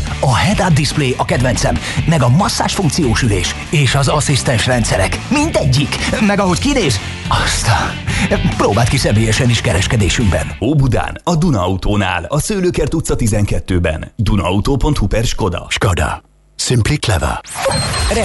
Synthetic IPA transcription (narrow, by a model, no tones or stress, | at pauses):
ɒhɛd̪ad̪ispleːʔɒkɛd̪vɛnt̪sɛmː | ɛɡɒmɒsːa̰ːʃfuŋk̚t̪sijoːʃyleːʃ | eːʃɒzɒsist̪ɛnʃrɛnt̪sɛɾɛ̰kmind̪ɛɟːikmɛɡɒɦo̞ckineːz | ɒst̪aːnproːbaːlt̪kisɛmeːjɛʃɛniʃkɛɾɛʃkɛd̪eːʃymbɛ̰nhoːbud̪a̰ːnɒd̪unɒɒut̪oːna̰ːlɒsøːløːkɛrt̪ut̪sːɒt̪izɛŋkɛt̪ːøːbɛ̰nd̪unɒɒut̪oːpo̞nt̪hupɛrʃko̞d̪ɒ̰ʃkɔd̪a̰ | simpliklɛ̰va̰ | rɛ